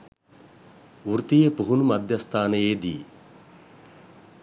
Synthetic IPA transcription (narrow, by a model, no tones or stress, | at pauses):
uɾt̪ijepuɦunumɐd̪ʱjɐst̪ʰaːneeːd̪ḭː